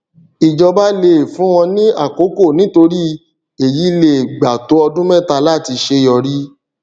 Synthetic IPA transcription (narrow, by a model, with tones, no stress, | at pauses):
i˨d͡ʒɔ˧ba˦le˨fũ˦w̃ɔ̃˧nĩ˦a˦˨ko˨˦ko˦˨nĩ˦to˧ɾi˦ | e˨ji˨˦i˦le˦˨ɡ͡ba˨to˨˦ɔ˧dũ˦mɛ̃˦˨ta˧la˦˨ti˧ʃe˧˦jɔ˧ɾi˦